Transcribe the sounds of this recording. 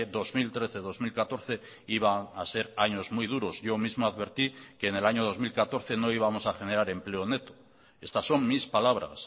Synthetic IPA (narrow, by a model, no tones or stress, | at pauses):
ðo̞zmilt̪ɾe̞θe̞ðo̞zmilkat̪o̞ɾθe̞ | iβ̞aase̞ɾaɲo̞zmujð̞uɾo̞zʝo̞mizmoaðβe̞ɾt̪ikeːne̞laɲo̞ð̞o̞zmilkat̪o̞ɾθe̞no̞iβ̞amo̞saxe̞ne̞ɾaɾe̞mple̞o̞ne̞t̪o̥ | e̞st̪asːo̞mmispalaβ̞ɾa̰s